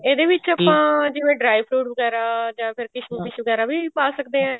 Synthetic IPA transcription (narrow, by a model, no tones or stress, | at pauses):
eːd̪eːʋɪt͡ʃəpãːd͡ʒɪʋẽːɖɾaːipʰɾuːʈʋəɡɛːɾaːd͡ʒãːpʰɪɾkɪʃʋĩːkɪʃʋəɡɛːɾaːbiːpaːsəkd̪eːɦãː